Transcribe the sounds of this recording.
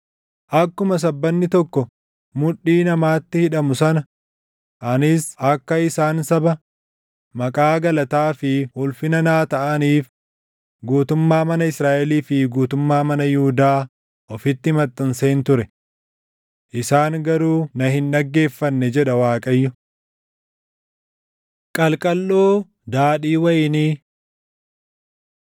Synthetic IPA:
ʔɐkːʊmɐs̬ɐbːɐnːɪt̪ɔkːɔ | mʊᶑiːnɐmaːt̪ːɪhɪᶑɐmʊsɐnɐ | ʔɐnɪsɐkːɐɪsaːnsɐbɐ | mɐkʼaːɡɐlɐt̪aːfɪhʊlfɪnɐnaːt̪ɐʔɐniːf | ɡuːt̪ʊmːaːmɐnɐɪsɾaːʔɛliːfɪɡuːt̪ʊmːaːmɐnɐjʊhʊd̪aː | ʔɔfɪt̪ːɪmɐt̪ʼːɐnseːnt̪ʊɾɛ | ʔɪsaːŋɡɐɾuːnɐhɪnɗɐɡːe̞ːfːɐnːɛd͡ʒɛᶑɐwaːkʼɐjːʊ | kʼɐlkʼɐlːoː | d̪aːᶑiːwɐjniː

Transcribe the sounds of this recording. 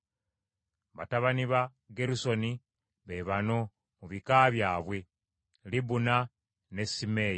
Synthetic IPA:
βa̰taβaniβa | ɡeɾuso̞ni | βe̞βano̞ | muβikaβjaːβwe̞ | libuna | ne̞sime̞ji

